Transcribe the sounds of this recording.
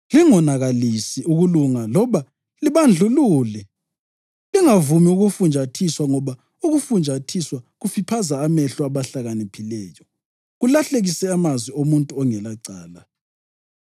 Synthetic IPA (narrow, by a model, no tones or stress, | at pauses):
liŋɔnaɣalisiʔuɣuluŋalɔβa | liβand͡ɮʱuluːlɛ | liŋavumiuɣufund͡ʒʱatʰiswaŋɔβa | uɣufund͡ʒʱatʰiswaɣufipʰazaːmɛɬuaβaɬaɣanipʰilɛːjɔ | ɣulaɬeɣisɛamazwiomuntʼuɔŋɛlaǀaːla